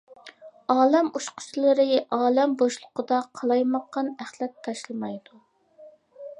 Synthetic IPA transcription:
ɑːlɛmuʃqʰʊ̥t͡ʃʰlˠɨɾɪʔɑːlɛmboʃlˠʊqəd̪ɑqʰɑlˠɑjmɑqːɑnæχlˠɛt̪ʰːɑʃlˠɨmɑjd̪u

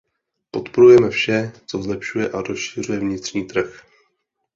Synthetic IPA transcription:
po̞t̪po̞ɾujɛmɛfʃɛt͡so̞zlɛpʃujɛʔaɾo̞sʃir̝ujɛvɲɪt̪r̥ɲiːt̪r̩x

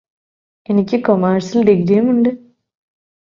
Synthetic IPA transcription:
enikʲːɨkomaːɾsilɖiɡɾijumuɳɖɨ

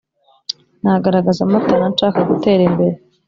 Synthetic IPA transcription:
naɡaɾaɡazamatanant͡ʃaːkaɡute̞ːɾimbe̞ɾe

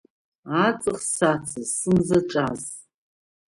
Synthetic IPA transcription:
at͡sʼɨχsat͡sʰɨzsɨnzaʈ͡ʂʼaz

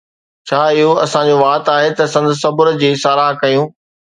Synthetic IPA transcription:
t͡ɕʰaːɪɦoɐsãd͡ʑoːʋaːt̪aːɦet̪ɐsɐ̃nd̪ʊsɐbʊɾd͡ʑiːsaːɾaːɦkɐjũː

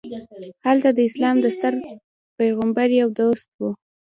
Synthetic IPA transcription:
halt̪ad̪əɪslɑmd̪əst̪əɾ | pajɣambaɾjawd̪ost̪̚wu

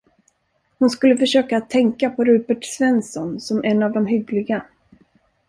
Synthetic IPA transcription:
hʊnskɵlːəfœʂøːkaːt̪ʰːɛŋkapʰɔɾʉːpəʈsvɛnsɔnsɔmʔɛnːavd̪ɔmɦʏɡlɪɡa

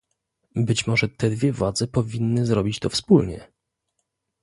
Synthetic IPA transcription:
bɘt͡ɕmɔʐɛt̪ɛd̪vʲjɛvwad̪zɛpɔvʲinːɘzɾɔbʲit͡ɕt̪ɔfspulɲɛ̰

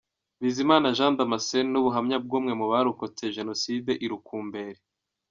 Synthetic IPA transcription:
βiːzimaːnaʒãːndamasennuβuɦamɲab̚ɡuːmŋe̞muβaɾukot͡se̞ʒe̞no̞sideʔiɾukuːmbe̞ɾe

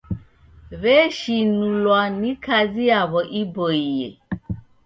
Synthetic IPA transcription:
βɛʃinulwanĩkaziaβɔʔibɔije

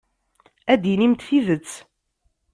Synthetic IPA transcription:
æd̪inimt̪θivət͡sː

